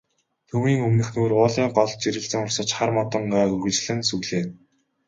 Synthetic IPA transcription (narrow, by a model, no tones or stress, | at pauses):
t̪ʰɵmiːŋɵmnɘ̆xnuːrʊːɮiːŋɢɔɮ̚t͡ɕiɾɘ̆ɮt͡sɘ̆ŋʊrsə̆t͡ɕχarmɔt̪ə̆ɴɢaːɵrɣɵ̆t͡ɕɮɘ̆nsɵɣɮeːn